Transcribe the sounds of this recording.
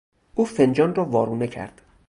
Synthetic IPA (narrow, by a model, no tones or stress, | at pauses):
ʔuːfend͡ʒɒːnrɒːvɒːɾuːnecʰæ̰ɾd̪̥